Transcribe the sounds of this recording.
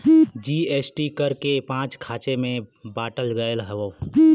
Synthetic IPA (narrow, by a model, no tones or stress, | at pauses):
d͡ʒiːeːsʈikəɾkepãːt͡ʃkʰaːt͡ʃemẽbaːʈəlɡəəlɦɛʋoː